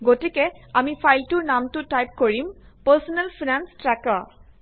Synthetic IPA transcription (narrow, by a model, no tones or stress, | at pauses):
ɡotikɛamipʰajltunamtutajp̚koɹim | pəsɔnɛlfʰinanstɹaka